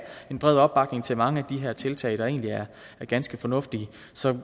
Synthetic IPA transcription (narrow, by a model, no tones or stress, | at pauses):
e̝nb̥ʁɛð̰ˠɒ̽b̥ːɑ̈ɡ̥ne̝ŋt͡sʰe̝lmɑ̈ŋəæd̥iɦæɐt͡sʰe̝lt͡sʰɛ̰ɪd̥ɑ̈e̝ːnliæɐ | æɐɡ̥ænsɡ̥əfɒ̽nɔ̽fd̥iə | sɒ̽